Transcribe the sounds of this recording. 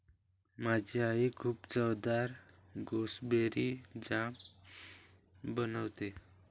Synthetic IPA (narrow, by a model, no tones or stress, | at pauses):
mad͡ʑʱeaɦikʰuːpt͡səwd̪aɾ | ɡosbeɾid͡ʑam | bənəʋt̪e